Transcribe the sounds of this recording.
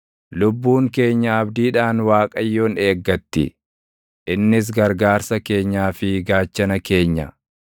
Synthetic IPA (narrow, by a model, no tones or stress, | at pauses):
lʊbːuːŋke̞ːɲːɐɐbd̪iːᶑaːnwaːkʼɐjːo̞ːne̞ːɡːɐt̪ːɪ̰ | ʔɪnːɪs̬ɡɐɾɡaːɾsɐke̞ːɲːaːfɪɡaːt͡ʃːɐnɐke̞ːɲːɐ̰